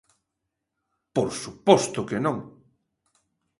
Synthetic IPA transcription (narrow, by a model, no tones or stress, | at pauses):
poɾsupɔst̪ʊkenõŋ